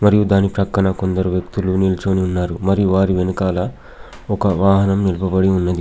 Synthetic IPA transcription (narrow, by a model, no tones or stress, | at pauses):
mɐɾijud̪aːnipɾɐkɾɐɳɐko̞nd̪ɐɾuʋjɐk̚t̪ulunilt͡ʃoːniunːaːɾumɐɾijuʋaːɾiʋenɐkaːlɐ | ɔkɐʋaːɦɐnɐmnilɐpɐbɐɽiunːɐd̪i